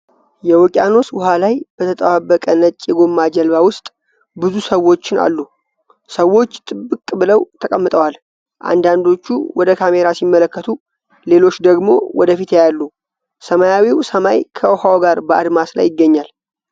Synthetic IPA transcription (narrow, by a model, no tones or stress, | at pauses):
jɛwɔkʼjano̞swʊɦalajb̥ət̪ʰət̪ʼəwabːəkʼənət͡ʃʼːjɛɡo̞mːad͡ʒɛlbawʊst̪ʼ | bɨzusəwːo̞t͡ʃːɪna̰lːu | səwːo̞t͡ʃːt̪ʼɨbːɨkʼbɨləwt̪ʰəkʼəmːɨt̪ʼəwal | ʔa̰nd̪and̪o̞t͡ʃːuwɔd̪əkʰame̞ɾasimːələkːət̪ʰu | le̞lo̞t͡ʃːd̪əɡmo̞wɔd̪əfit̪jejalːu | səmajawiwsəmajkʰəwhawoɡaɾbəʔa̰d̪masla̰jːɪɡːəɲːal